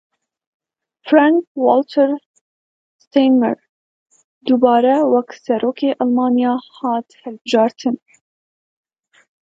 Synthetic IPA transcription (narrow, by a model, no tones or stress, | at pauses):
fɾaŋkwolt̪ʰəɾ | st̪ejmɛ̰ɾ | d̪ubɑːɾɛwɛksɛɾoːkʰeːʔɑlmɑːnijɑːhɑːt̪hɛlbɨʒɑːɾt̪ʰɨn